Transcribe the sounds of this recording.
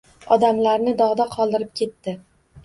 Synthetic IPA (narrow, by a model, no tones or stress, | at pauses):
ɒd̪amlaɾnɪd̪ɒʁd̪aqʰɒlˠd̪ɪɾɪp̚kʲʰe̞t̪ːɪ